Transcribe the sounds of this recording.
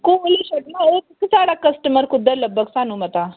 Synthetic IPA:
kuliɕəʈnaeksaɽakəsʈəməɾkud̪ʱːələbəksanuːmət̪a

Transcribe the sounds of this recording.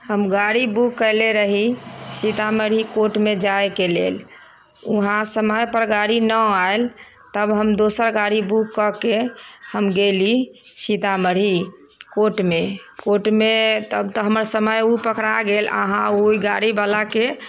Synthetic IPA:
həmɡaɽibukːəjleɾəɦisit̪aməɽ̤ikoʈmed͡ʒajkelḛl | uɦãsəməjpəɾɡaɽinəael | t̪əbɦəmd̪osəɾɡaɽibukkːəkehəmɡelisit̪aməɽ̤ɦi | koʈmekoʈmet̪əbt̪ɔɦəməɾsəməjupəkɽaɡelə̰ɦãuiɡaɽibalake

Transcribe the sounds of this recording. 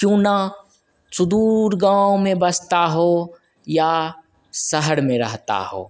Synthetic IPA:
kjũːna | sʊd̪uːɾɡãːõmẽbɐst̪aɦo | ja | sɐɦəɽmẽɾɐɦt̪a̰ɦo̰ː

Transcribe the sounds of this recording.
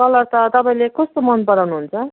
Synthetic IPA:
ʌlʌɾt̪ʌt̪ʌpaĩlekʌst̪omʌnd̪̚pʌɾawnuɦunt͡sʰʌ

